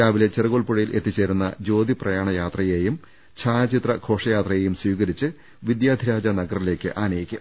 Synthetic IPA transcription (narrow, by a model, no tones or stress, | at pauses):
aːʋilet͡ɕerɐɣoɭpuɻɐjilʔe̞t̪ːit͡ɕːe̞ːɾunːɐ̰d͡ʑo̞ːd̪ʱiprɐjaːɳɐjaːt̪rɐje̞ːjum | t͡ɕʰaːɐt͡ɕit̪rɐkʰo̞ːʂɐjaːt̪rɐje̞ːjumswiːɣɐɾit͡ɕːɨ | ʋid̪jaːd̪ʱiɾaːd͡ʑɐnɐɡɐrile̞ːkʲːɨ̰ʔaːnɐjikʲːum